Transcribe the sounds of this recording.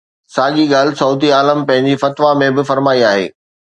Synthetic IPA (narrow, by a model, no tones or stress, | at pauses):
saːɠiɡaːlɪsɐːt̪̬iaːləmpɐ̃ɦɪ̃ɲd͡ʑifɐt̪ʋamẽbɪfɐɾmaːiaːɦḛː